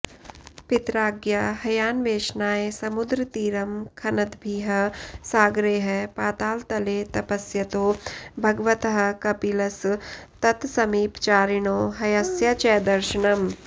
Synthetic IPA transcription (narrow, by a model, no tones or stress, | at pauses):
pɪt̪ɾaːɡjaɦɐjaːnʋeːʃnaːjesɐmʊd̪ɾt̪iːɾɐmkʰɐnɐd̪bʱiːɦɐsaːɡɾeːɦɐpaːt̪aːlt̪ɐleːt̪ɐpɐsjɐt̪oːbʱɐɡʋɐt̪ɦɐ̆kɐpilɐst̪ɐt̪sɐmiːpt͡ʃaːɾɪɳ̃oːɦɐjɐsjɐt͡ʃɛːd̪ɐɾʃɪɳɐm